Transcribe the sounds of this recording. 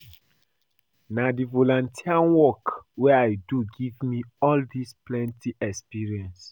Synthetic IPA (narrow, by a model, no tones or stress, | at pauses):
nadivolɔ̃ntʰianwɔkwɛaɪduɡivmiɔldisplɛ̃ntiʔɛkspiɹiɛ̃ns